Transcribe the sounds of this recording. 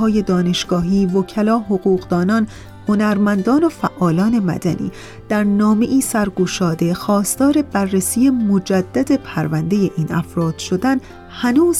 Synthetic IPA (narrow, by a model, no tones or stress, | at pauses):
ɒːje̞d̪ɒːne̞ʃɡ̥ɒːɦiːvocʰælɒːɦoɣuːɣd̪ɒːnɒːn | ho̞næɾmænd̪ɒːno̞fæʔːɒːlɒːne̞mæ̰d̪æ̰nʔḭː | d̪̥æɾnɒːme̞ʔiːsæɾɡuʃɒːd̪e̞xɒːst̪ɒːɾe̞bærːesiːemod͡ʒæd̪̥ːæd̪epʰæɾvænd̪e̞je̞ʔiːnæ̰fɾɒːd̪̥ʃo̞d̪æn | hænuːz